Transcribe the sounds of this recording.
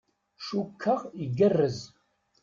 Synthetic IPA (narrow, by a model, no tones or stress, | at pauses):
ʃukʰːɐʁiɡɐrːəz